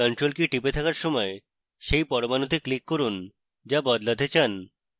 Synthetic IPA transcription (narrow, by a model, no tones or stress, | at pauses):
kɔɳʈɾolkiʈipet̪ʰakaɾʃɔmɔe | ʃejpɔɾobanot̪eklikːoɾun | d͡ʑabɔd̪lad̪et͡ɕan